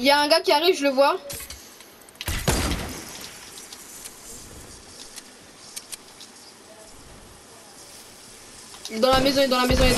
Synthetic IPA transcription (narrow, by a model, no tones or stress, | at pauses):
iljaɛ̃ɡakʲiaʁivʒələvwa | d̪ɑ̃lamezɔ̃ed̪ɑ̃lamezɔ̃e